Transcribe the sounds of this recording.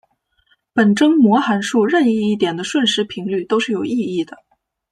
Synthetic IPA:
pə˨˩nʈ͡ʂɤ˥ŋmwɔ˧˥xa˧˥nʂu˥˧ɻə˥˧ni˥˧i˥˩t̪̬jɛ˨˩nd̪ə˦ʂwə˥˩nʂɻ̩˧˥pʰi˧˥ŋly˥˩t̪o˥ʊʂɻ̩˥˩jo˨˩ʊi˥˧i˥˩d̪ə˩

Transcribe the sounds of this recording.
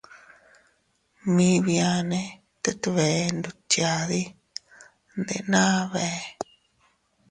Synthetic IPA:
mĩ˧˦βi˧a˧nẽ˧ | t̪e˦t̪u˧βe˨nd̪u˧t͡ʃja˧ði˦ | nd̪ḛ˧ʔnãː˦βe˧

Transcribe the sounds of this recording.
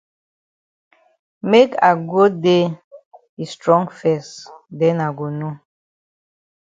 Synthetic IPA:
me˦ka̰˨ɡo˦de˦ | i˨stɹɔ̃˦ŋfɛ˦˨sdɛ˦na˨ɡo˨no˦

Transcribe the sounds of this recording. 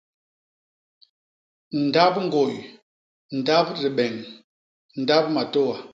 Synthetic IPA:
n̩˨da˦p̚ŋ̩˦ɡo˨j | n̩˨da˦bɾi˨ɓɛ˨ŋ | n̩˨da˦b̚ma˨to˦wa˨

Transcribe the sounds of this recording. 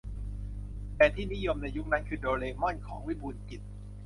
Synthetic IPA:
t̪ɛː˨˩t̪ʰiː˥˩ni˦˥jo˧mna˧jːu˦˥k̚na˦˥kʰɯː˧doː˧leː˧mɔ˥˩nkʰɔː˩˦ŋwi˦˥buː˧nki˨˩t̪̚

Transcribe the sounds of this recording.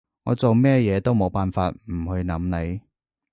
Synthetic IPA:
ŋɔ̰ː˨˧t͡so˨wmɛː˥jɛː˨˧t̪o˥wmo˨˧wpaː˨nfaː˧t̚m̩˨˩hɵ˧ɥnɐ˨˥mne˨˧j

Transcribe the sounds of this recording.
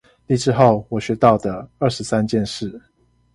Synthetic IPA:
li˥˧ʈ͡ʂɻ̩˥˧xo˥˨˩ʊwɔ˨˩ɕɥɛ˧˥t̪ɑ˥˨˩ʊd̪ə˩ə˥˨ʂɻ̩˧˥sa˦nt͡ɕjɛ˥˧nʂɻ̩˥˩

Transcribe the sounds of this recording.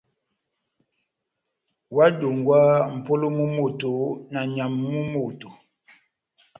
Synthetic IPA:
wa˦do˨ŋɡwa˦m̩˨po˦lo˦mu˦mo˦˨to˨na˨ɲa˨mːu˦mo˨to˨

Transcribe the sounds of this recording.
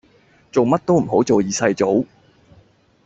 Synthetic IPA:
t͡so˨wmɐ˥t̚t̪o˥wm̩˨˩ɦo˨˥wt͡so˨wjiː˨˩sɐ˧jt͡so˨˥w

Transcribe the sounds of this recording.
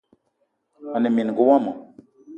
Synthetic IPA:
a˨ne˨mi˨n˨ɡu˨˦wa˦mɔ˨

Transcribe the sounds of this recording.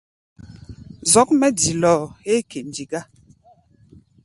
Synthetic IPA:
zɔ˨˦k̚mɛ˦di˨lɔː˦˨e˦kʰe˨n̩˨di˨ɡa˦

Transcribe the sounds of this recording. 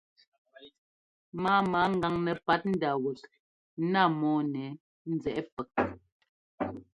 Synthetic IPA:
maː˦maː˨˦ŋ̩˦ɡa˨ŋnɛ˨pa˨˦t̚n̩˦da˨wu˨t̚ | na˦˨mɔː˦nɛ˨˦ | n̩˦d͡zɛ˨ʔɛ˦pə˨k̚

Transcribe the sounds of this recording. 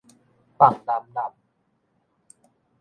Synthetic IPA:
pa˨˩ŋna˨˦mna˨˩m̚

